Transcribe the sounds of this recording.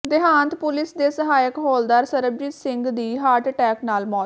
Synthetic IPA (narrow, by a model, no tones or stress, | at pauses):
d̪ɪɦãːnt̪pʊlɪsd̪eːsəɦaːjəkɦoːld̪aːɾsəɾəb̚d͡ʒiːt̪sɪŋɡd̪iːɦaːɾʈʈɛːknaːlmɔː